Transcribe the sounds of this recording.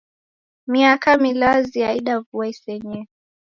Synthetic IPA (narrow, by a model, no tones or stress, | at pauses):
miakamilaziaiɗavuaisɛɲɛ